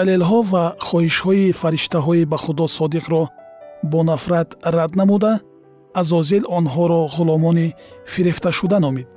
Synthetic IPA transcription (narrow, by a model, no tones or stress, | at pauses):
alelɦɔvaχɔhiʃhɔifaɾiʃt̪aɦɔibaχud̪ɔsɔd̪iqɾɔbɔnafɾad̪ɾad̪namud̪aː | zɔzilɔnɦɔɾɔʁʊlɔmɔnifiɾift̪aʃud̪anɔmid̪̥̚